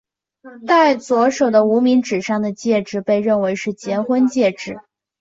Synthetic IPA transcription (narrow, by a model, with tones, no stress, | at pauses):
t̪a˥˩ɪt͡swɔ˧˥ʂo˨˩ʊd̪ə˦u˧˥mi˧˥ŋʈ͡ʂɻ̩˨˩ʂɑ˥˩ŋd̪ə˩t͡ɕjɛ˥˧ʈ͡ʂɻ̩˥˧pe˥˧ɪɻə˥˩nwe˧˥ɪʂɻ̩˥˩t͡ɕjɛ˧˥nxwə˥nt͡ɕjɛ˥˧ʈ͡ʂɻ̩˥˩